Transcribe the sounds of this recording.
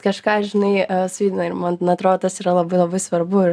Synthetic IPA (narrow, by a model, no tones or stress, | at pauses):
kɐʃkɑːʃʒʲɪnɐɪsʋʲiːd̪ʲɪnɐɪɾmɐnt̪nɐt̪ɾoːd̪oːt̪ɐsiːɾɐlˠɐbɐɪlˠɐbɐɪsʋɐɾbʊɪ